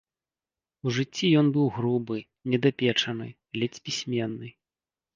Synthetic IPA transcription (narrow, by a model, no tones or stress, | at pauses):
uʐɨt͡sʲːijɔnbɨwɣɾubɨ | nʲɛd̪apʲɛt͡ʂɐnɨ̰ | lʲɛt͡sʲpʲisʲmʲɛnːɨ